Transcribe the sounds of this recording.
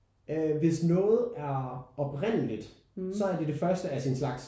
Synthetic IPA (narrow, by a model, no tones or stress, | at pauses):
øʋe̝snɔ̽ːð̞̩ˠæɐɒ̽b̥ʁen̰əlid̥ | sɒ̽æɐd̥e̝d̥e̝fɶɐsd̥əæsinslɑ̈ɡ̥s